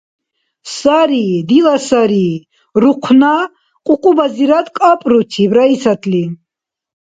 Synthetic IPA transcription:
saɾid̪ilasaɾi | ɾuqʷʰna | qʼuqʼubaziɾad̪kʼapʼɾut̪ʰibɾaisat̪ʰʼli

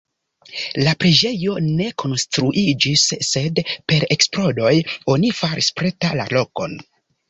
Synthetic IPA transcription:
lapɾe̞d͡ʒe̞jo̞ne̞kʰo̞nstɾuʔid͡ʒisːe̞dpe̞ɾe̞ksplo̞do̞jo̞nifaɾispɾe̞tala̰lo̞ko̞̰n

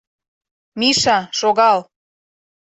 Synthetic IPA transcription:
miʃɑʃoɣɑl

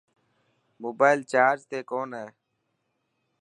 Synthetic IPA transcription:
moːbaːɪlt͡ʃaːɾd͡ʒt̪eːkoːnɦɛː

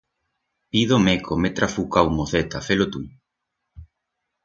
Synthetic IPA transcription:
piðomekʰomet̪ɾʔafukawmoθet̪afelot̪u

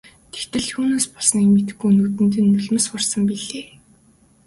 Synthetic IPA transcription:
t̪ʰe̥xt̪ɘ̆ɮʰuːnoːspɔɮsniːkmet̪ɘ̆xɡujnuːt̪ɘ̆nt̪̬ɘ̆ːnːɵɮ̆mɘ̆sʊrsə̆mpiɮeː

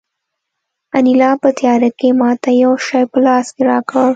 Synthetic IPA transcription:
anilɑpət̪jɑɾakemɑt̪ajawʃɑjpəlɑskeɾɑkəɽ

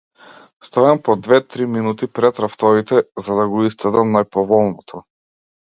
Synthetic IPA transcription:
st̪ɔjampɔd̪vɛt̪ɾiminut̪ipɾɛt̪ɾaft̪ɔvit̪ɛzad̪aɡɔist̪ɛd̪amnajpɔvɔlˠnɔt̪ʰɔ

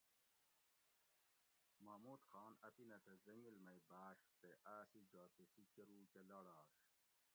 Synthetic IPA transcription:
maːmuːt̪xɑːnɐt̪inɐt̪ɐzɐŋɡilmɐjbaːɕt̪eʔaːsid͡ʑaːt̪esikɐɾuːkelɐɽaːɕ

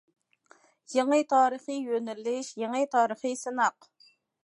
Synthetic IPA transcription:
jeŋɨt̪ʰɑːɾəχɨjønɪlːɪʃjeŋɨt̪ʰɑːɾəχɨsɨnɑq

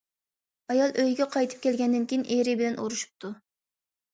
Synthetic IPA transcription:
ɑjɑlˠʔøjɡʲɛqʰɑjt̪ʰɨ̥p̚kʲɛlɡʲɛnd̪ɪnkʲʰijinʔeɾɪbɪlɛnṵɾuʃu̥p̚t̪u

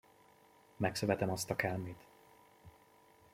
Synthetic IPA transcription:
mɛksøvɛt̪ɛmɒst̪ɒkɛlmeːt̪

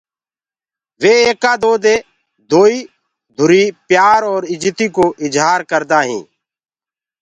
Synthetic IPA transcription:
ʋeːeːkaːd̪oːd̪eː | d̪oːiː | d̪ʱʊɾiːpjaːɾɔːɾɪd͡ʒt̪iːkoːʔɪd͡ʒɦaːɾkəɾd̪aːɦḭ̃ː

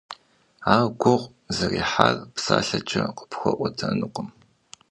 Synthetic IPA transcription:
aːwɡʷʊʁʷ | zɐriːħaːrpsaːɬɐt͡ʃʼɐqə̥pxʷɔʔʷɔtʰɐnɨqʷəm

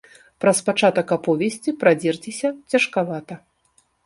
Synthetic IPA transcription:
pɾɐspat͡ʂat̪ɐkapɔvʲɛsʲt͡sʲipɾad͡zʲɛrt͡sʲisʲɐt͡sʲɐʂkavat̪ɐ

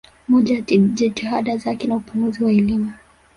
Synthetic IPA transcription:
mɔʄaiʄɛtihaɗazakɛnaupunɡuziwaɛlimu

